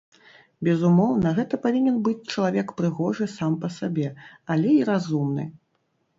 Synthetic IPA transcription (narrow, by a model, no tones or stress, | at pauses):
bʲɛzumɔwnɐɣɛt̪ɐpavʲinʲɛnbɨt͡sʲt͡ʂɐlˠavʲɛkpɾɨɣɔʐɨsampɐsabʲɛalʲɛiɾazumnɨ̰